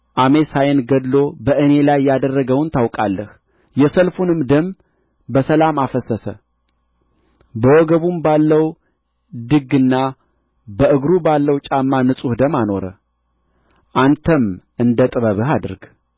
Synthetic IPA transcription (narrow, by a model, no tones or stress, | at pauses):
ʔame̞sajenɡəd̪lo̞bəʔɨne̞lajːad̪ərːəɡəwnt̪ʰawkʼa̰lːəh | jɛsəlfunɨmd̪əm | bəsəlamafəsəsə̰ | bəwɔɡəβumbalːəw | d̪ɨɡɨnːa | bəʔɨɡɾubalːəwt͡ʃʼamːanɨsʼuhd̪əmano̞ɾə̰ | ʔant̪ʰəmʔɨnd̪ət̪ʼɨβəβɨɦad̪ɨɾɡ